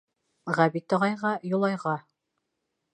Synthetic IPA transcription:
ʁæbit̪ɒʁɑjʁɑjŏlˠɑjʁɑ

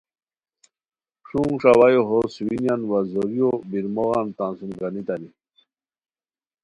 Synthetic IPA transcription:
ʂũŋʂawajoɦoswinjanwazoɾijobiɾmoɣɑnt̪ansunɡanit̪ani

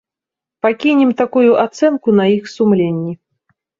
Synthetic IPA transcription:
pakʲinʲɛmt̪akujuʔat̪sɛnkunɐixsumlʲenʲːi

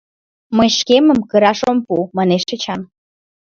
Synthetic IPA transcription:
məjʃkemə̆mkə̆ɾɑʃompumɑneʃːə̆t͡ɕɑn

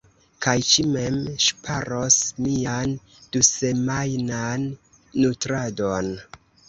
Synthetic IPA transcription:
kajt͡ʃimemʃpʰaɾo̞smian | d̥use̞majnanː | utɾado̞n

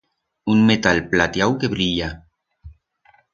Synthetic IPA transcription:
unmet̪alplat̪jawkeβɾiʎa

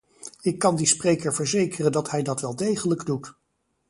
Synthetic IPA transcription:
ɪkːɑndisprejkəɹvəɹzejkərəndɑtɦɛjdɑtʋɛlˠdejχələɡdut

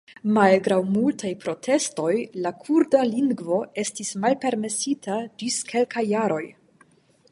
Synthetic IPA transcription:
malɡɾawmultʰajpɾo̞tʰe̞sto̞jlakʰuɾdaliŋɡvo̞e̞stismalpe̞ɾme̞sitʰad͡ʒiskʰe̞lkajːaɾo̞j

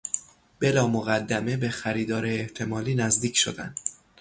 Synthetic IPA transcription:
b̥e̞lɒːmoɣæd̪ːæme̞be̞xæɾiːd̪ɒːɾeːht̪ʰe̞mɒːliːnæzd̪iːcʰʃo̞̰d̪æ̰nd̪̥

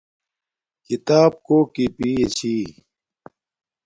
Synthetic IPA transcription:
kit̪aːb̚koːkipiːet͡ɕʰiː

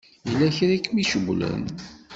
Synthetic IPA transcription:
jəlːæçɾækːmiʃəɡʷlə̰n

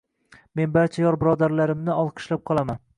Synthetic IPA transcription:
me̞nbaɾt͡ʃʰajɒɾbɪɾɒd̪aɾlaɾɪmnɪɒlˠqʰɨ̥ʃlap̚qʰɒlˠaman

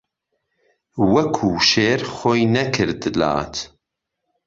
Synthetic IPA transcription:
wɐkʰuːʃeːɾχojnɐkʰɨɾd̪ɨla̰ːt̪ʰ

